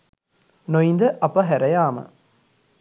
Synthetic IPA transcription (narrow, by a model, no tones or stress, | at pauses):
nojind̪ɐʔɐpːɐɦɛɾɐjaːmɐ̰